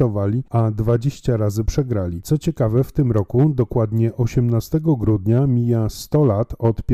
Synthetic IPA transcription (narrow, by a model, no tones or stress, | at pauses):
ɔvalʲiad̪vad͡ʑeɕt͡ɕaɾazɘpʂɛɡɾalʲit̪sɔt͡ɕɛkavɛft̪ɘmɾɔkud̪ɔkwad̪ɲɛʔɔɕɛmnast̪ɛɡɔɡɾud̪ɲamʲijast̪ɔlat̪ɔt̪pʲ